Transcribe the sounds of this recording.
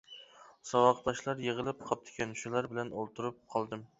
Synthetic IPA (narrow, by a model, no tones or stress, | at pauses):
sɑwɑqd̪ɑʃlˠɑɾjeʁəlˠɨp̚qʰɑp̚t̪ʰɪ̥kʲɛnʃulˠɑɾbɪlɛnolˠt̪ʰuɾup̚qʰɑlˠd̪ɨm